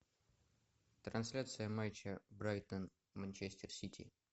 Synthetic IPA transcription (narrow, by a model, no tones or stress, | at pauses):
t̪ɾɐnsʲlʲat̪sɨjəmajʲt͡ɕəbɾajt̪ən | mɐnʲt͡ɕesʲtʲɪrsʲitʲḭ